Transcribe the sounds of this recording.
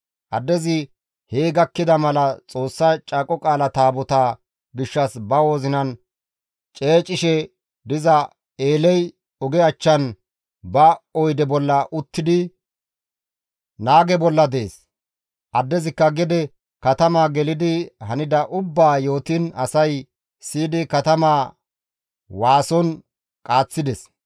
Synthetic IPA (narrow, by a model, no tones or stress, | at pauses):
ʔɐd̪ːɛzɪ | heːɡɐkːɪd̪ɐmɐlɐt͡sʼo̞ːsːat͡ʃʼaːkʼɔkʼaːlɐt̪aːbɔt̪aː | ɡɪʃːɐsbɐwo̞ːzɪnɐn | t͡ʃʼe̞ːt͡ʃʼːɪʃɛ | d̪ɪzɐ | eːlɛj | ɔɡɛɐt͡ʃːɐn | bɐɔjd̪ɛbɔlːɐʔʊt̪ːɪd̪ɪ | naːɡɛbɔlːɐd̪eːs | ʔɐd̪ːɛzɪkːɐɡɛd̪ɛ | kɐt̪ɐmaːɡɛlɪd̪ɪhɐnɪd̪ɐʔʊbːaːjo̞ːt̪ɪnɐsɐj | siːd̪ɪkɐt̪ɐmaː | waːsɔn | kʼaːt͡sːɪd̪ɛs